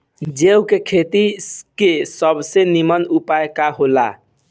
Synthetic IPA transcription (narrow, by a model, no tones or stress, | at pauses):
d͡ʒewkekʰet̪ikesəbʱsenimənupajkaɦola̰